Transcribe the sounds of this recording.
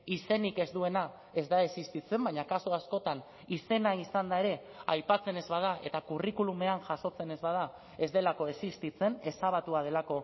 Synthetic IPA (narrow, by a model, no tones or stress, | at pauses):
ise̞nike̞zd̪ue̞na | e̞zd̪ae̞sist̪it͡se̞mbaɲakasuasko̞t̪an | ise̞naisand̪ae̞ɾe̞ | ajpat͡se̞ne̞zβað̞aʔe̞t̪akurikulume̞anʝaso̞t͡se̞ne̞zβað̞a | e̞zd̪e̞lako̞e̞sist̪it͡se̞ne̞saβ̞at̪uað̞e̞lako̞